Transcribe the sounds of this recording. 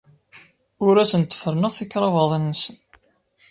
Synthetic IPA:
ʊɾæsənt̪ːə̥fəɾnəʁˤθikːɾˤɑvɑðˤənːəsən

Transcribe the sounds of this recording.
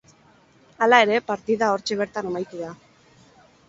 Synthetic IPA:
alae̞ɾe̞paɾt̪iðao̞ɾt͡ʃe̞β̞e̞ɾt̪anemajk̪uða

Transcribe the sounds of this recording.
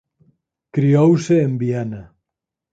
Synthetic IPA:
kɾiowseːmbiana

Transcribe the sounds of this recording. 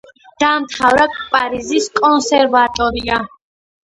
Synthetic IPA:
d̪̥aːmt̪ʰavɾakʼpʼaɾiziskʼɔnsɛɾvat̪ʼɔɾia

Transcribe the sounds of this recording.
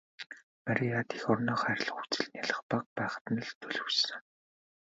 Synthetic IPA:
maɾʲijat̪e̥xɔrnɔːχæɾʲɪ̆ɮxut͡sɘ̆ɮnʲjaɮə̆χpaq̚pæːχə̥̆t̪̆nə̆ɮt̪ʰɵɮɵ̆sɘ̆ŋ

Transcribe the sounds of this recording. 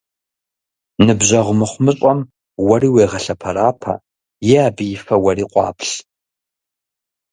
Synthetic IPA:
nɨbʑɐʁʷʊmɨχʷʊmɨɕʼɔm | wɐriːweːʁɐɬɐpʰɐɾaːpʰɐ̰ | jɛaːbɨjɪfɐwɐriːqʷʼɑ̰ːpʰɬ

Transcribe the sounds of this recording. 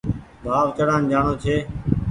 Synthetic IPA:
bʱaːʋt̪əɽãːnd͡ʒaːɳoːt͡ʃʰeː

